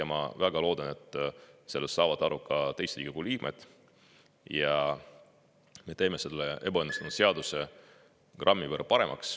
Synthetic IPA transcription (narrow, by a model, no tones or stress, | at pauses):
jɑmɑ̰væɡ̥ɑlo̞ːd̪̥ɑne̞t̪ːˑse̞lːestːɑːvɑd̪̥ɑɾʔukːɑt̪e̞jst̪liːɡikuliːɡ̥mʔḛt̪ːˑ | jɑ | me̞t̪e̞ːme̞se̞lːee̞b̥ɑenust̪ɑnud̪seɑd̪use̞ | krʔɑmːivərpɑɾe̞mʔɑ̰ks